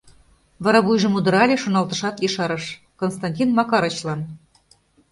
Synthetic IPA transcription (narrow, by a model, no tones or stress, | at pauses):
βɑɾɑβujʒɤ̆mud̪əɾɑlʲeʃonɑlˠt̪ɤ̆ʃɑt̪iʃɑɾɤʃ | konst̪ɑnʲtʲinmɑkɑɾə̆t͡ɕlɑn